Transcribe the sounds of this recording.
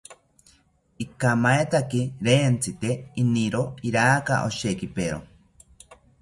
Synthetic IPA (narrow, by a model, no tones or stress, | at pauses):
ikamaet̪akiɾeːnt͡sʰit̪einiɾoiɾaːka̰ʔo̰ʃekipeɾo̰